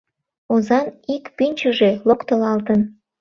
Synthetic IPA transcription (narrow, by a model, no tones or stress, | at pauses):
ozɑnikpynʲt͡ɕəʒelokt̪əlɑlt̪ən